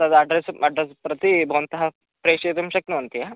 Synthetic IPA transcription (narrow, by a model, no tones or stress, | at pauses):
ɐd̪ɐɐɖɾesɐɖɾespɾɐt̪ibʱɐʋɐnt̪ɐɦɐ | pɾeːʂeːt̪ɐmʃɐknuʋɐnt̪ija